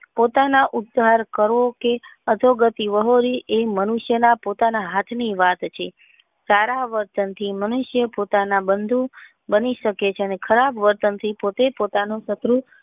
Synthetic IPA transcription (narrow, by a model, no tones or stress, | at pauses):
pot̪anaʔud̪ːʱaɾkəɾʋokeəd̪ʱoɡət̪iʋəɦoɾiʔemənuʃjənapot̪anaɦat̪ʰniʋat̪t͡ʃʰe | saɾaʋəɾt̪ənt̪ʰimənuʃjəpot̪anãbənd̪ʱũ | bəniʃəket͡ʃʰeənekʰəɾabʋəɾt̪ənt̪ʰipot̪epot̪anosət̪ɾu